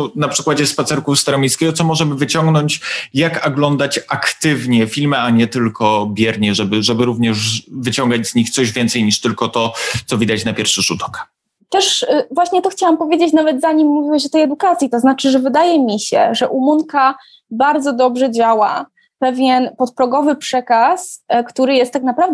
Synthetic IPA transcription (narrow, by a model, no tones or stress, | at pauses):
napʂɘkwad͡ʑɛspat̪sɛɾkust̪aɾɔmʲjejskʲɛɡɔt̪sɔmɔʐɛmɘvɘt͡ɕɔŋɡnɔɲt͡ɕjakaɡlɔnd̪at͡ɕakt̪ɘvɲɛfʲilmɛaɲɛt̪ɘlkʰɔbʲjɛɾɲɛʐɛbɘʐɛbɘɾuvɲɛʐvɘt͡ɕɔŋɡad͡ʑz̥ɲixt̪sɔʑvʲjɛnt̪sɛjɲiʂt̪ɘlkɔt̪ɔt̪sɔvʲid̪at͡ɕnapʲjɛɾfʂɘʐud̪ɔ̥k | t̪ɛʂvwaɕɲɛt̪ɔxt͡ɕawampɔvʲjed͡ʑet͡ɕnavɛd̪zaɲimːuvʲiwaɕɔt̪ɛjɛd̪ukat̪sʲjit̪ɔznat͡ʂɘʐɛvɘd̪ajɛmʲiɕɛ̰ʐɛʔumunka | baɾd̪zɔd̪ɔbʐɛd͡ʑawa | pɛvʲjɛnpɔt̪̚pɾɔɡɔvɘpʂɛkaskt̪uɾɘjɛst̪ːaknapɾavd̪